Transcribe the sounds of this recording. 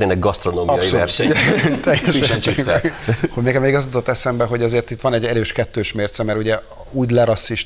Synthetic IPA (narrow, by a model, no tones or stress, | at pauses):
neːnɛɡɡɒst̪ɾonoːmɒɒjsioɛrst̪ɛjːɛʃiɛi | hoɟmeːkɛmeːɡɒzut̪ot̪ːɛsɛmbɛɦo̞ɟɒzeːrt̪it̪ːʋɒnɛɟːɛɾøːʃkɛt̪ːøːʃmeːrt̪sɛmɛɾuɟɛ | uːɟlɛɾɒsːiʃ